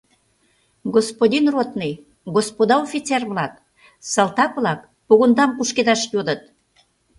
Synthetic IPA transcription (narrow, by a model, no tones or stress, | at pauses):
ɡospod̪ʲinrot̪nij | ɡospod̪ɑofʲit̪t͡serβlɑk | sɑlt̪ɑkβlɑk | puɣund̪ɑmpuʃked̪ɑʃjod̪ət̪̚